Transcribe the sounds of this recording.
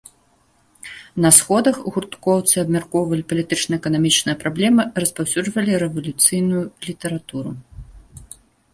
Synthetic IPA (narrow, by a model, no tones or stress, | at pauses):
nɐsxɔd̪ɐxɣurt̪kɔwt̪sɨɐbmʲarkɔwvɐlʲipɐlʲit̪ɨt͡ʂnɐɛkɐnamʲit͡ʂnɨjɐpɾablʲɛmɨrɐspawsʲud͡ʐvɐlʲiɾɛvɐlʲut̪sɨjnujulʲit̪ɛɾat̪uɾu